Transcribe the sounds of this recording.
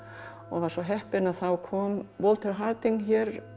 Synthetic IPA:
ɔ̰ɣvaɾsɔɦɛhpɪnaðθawkʰɔːmvɔlt̪ʰɛɾɦaɾt̪iŋçɛɾ

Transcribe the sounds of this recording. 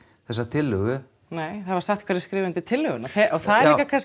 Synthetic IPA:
θɛsːat̪ʰɪlʏɣʏ | neːjθavaɾsaxt̪kʰvaɾɪskɾɪːvʏnt̪ɪt̪ʰɪlhʏɣʏnaθɛʔɔθaðɛɾkːakʰans

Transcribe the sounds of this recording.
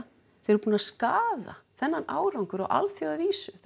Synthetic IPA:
θeɾpuːnaskaːða̰θɛnːanʔaːwɾawŋkʏɾa̰wʔa̰lθjowðaviːsʏ

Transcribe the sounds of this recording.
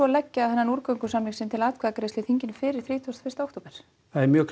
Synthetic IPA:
ɔlɛcːaaðɛnːanuːɾkœŋkʏsamliŋsɪnt̪ʰɪlaːt̪kʰvaðakɾeːsɪθiɲcɪnfɪːɾɪɾ̥θɾiːt̪ʰuɔst̪fɪ̥rst̪aowht̪oːpɛɾ̥ | θaðɛɾmjœːkʰ

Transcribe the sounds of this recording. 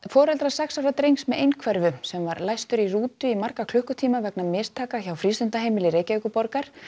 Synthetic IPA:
fɔːɾɛlt̪ɾḁsɛksawɾat̪ɾejŋsmɛʔejnkʰvɛɾvʏsɛmvaɾlajst̪ʏɾiruːt̪ʏimar̥kakʰlʏhkʏt̪ʰiːmavɛknamɪst̪ʰaːkaçawfɾiːst̪ʏnt̪aɦeːjmɪlɪɾejcaɪkʏpɔɾkaɾ̥

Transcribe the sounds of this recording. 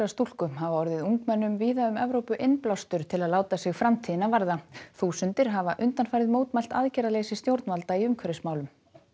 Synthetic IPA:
ast̪ul̥kʏmɦavaɔɾðɪðuŋkmɛnːʏmviːðaʏmɛvɾowpʏʔɪnplawst̪ʏɾ̥t̪ʰɪlaðlaːwt̪asɪɣfɾamt̪ʰiːðɪnavaɾðaθuːsʏnt̪ɪɾ̥ɦavaʔʏnt̪anfajɾðɪðmoːwt̪majl̥t̪aðcɛɾaleːsɪst̪jowɾt̪nvalt̪aiʏmkʰvœɾɪsmaːwlʏm

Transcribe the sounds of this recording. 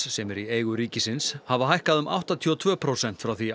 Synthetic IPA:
sɛmɛɾieːjɣʏɾiːcɪsɪnshavaɦajhkaðʏmʔa̰wht̪at̪ʰiɔt̪ʰvœːpʰɾoːwsɛn̥t̪fɾawθi

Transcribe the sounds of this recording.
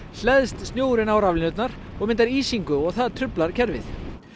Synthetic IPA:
l̥ɛðst̪st̪joːwɾɪnaːwɾavlɪnʏt̪naɾ̥ | ɔɣmɪnt̪aɾiːsiŋkʏɔɣθaðt̪ʰɾʏplaɾ̥cʰɛɾvɪ̰θ

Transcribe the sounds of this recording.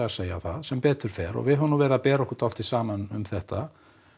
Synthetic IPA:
ɣaseːja̰θa̰ðsɛmpɛːt̪ʏɾ̥fɛːɾɔ̰ɣvɪðhɦʏnuvɛːɾðapɛːɾɔhkʏɾ̥t̪ʰal̥t̪isaːmanʏmθɛht̪a

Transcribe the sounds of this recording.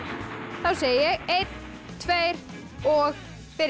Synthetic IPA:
θawseːjjɛɣejt̪n | t̪ʰvejɾ | ɔɣ | fɪɾ

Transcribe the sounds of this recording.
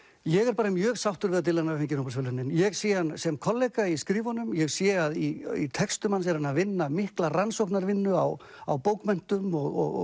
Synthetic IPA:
jɛɣɛɾpaːɾamjœːɣsawht̪ʏɾvɪðat̪ʰɪlanːafɪɲcɪnowpasfʏlʏnːɪnjɛɣsjɛanːsɛmkʰɔlːejkaiskɾiːvɔnːʏmjɛɣsjɛaðiḭt̪ʰɛkst̪ʏmans̬ɛɾanavɪnːamɪhklaransowkpnaɾvɪnːʏa̰w | a̰wpoːwkmɛn̥t̪ʏmɔɣɔ̰ɣ

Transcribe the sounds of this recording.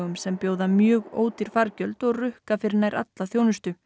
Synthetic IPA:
ɣʏmsɛmpjoːwðamjœːɣo̰ːwt̪ɪɾ̥faɾcœlt̪ɔɣrʏhkafɪɾɪnajɾʔa̰t̪laθjoːwnʏst̪ʏ

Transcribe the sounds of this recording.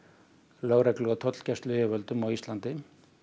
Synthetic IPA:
loːwɾɛklʏɣat̪ʰɔt̪l̥cɛst̪lʏɛvœlt̪ʏmawist̪lant̪ɪ

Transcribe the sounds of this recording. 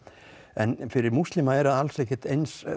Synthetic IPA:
ɛnfɪɾɪɾmust̪lɪmaɛɾðaðalsɛhcːɪ̥t̪ejns

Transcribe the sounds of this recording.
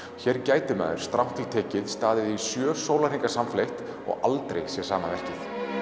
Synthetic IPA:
çɛɾcaːjt̪ɪmɛ̰ːðʏɾ̥st̪ɾawht̪ʰilt̪ʰɛːcɪðst̪aːðɪðisjœːsowlar̥iŋkasamflejht̪ | ɔ̰ɣʔalt̪ɾejɣsjɛsaːmaðɛhcɪθ

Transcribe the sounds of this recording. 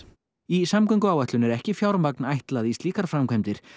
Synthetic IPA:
isamkœŋkʏaːwɛht̪lʏnɛɾɛhcɪfjawɾmak̚najht̪laðist̪liːkaɾ̥fɾamkʰajmt̪ɪɾ̥

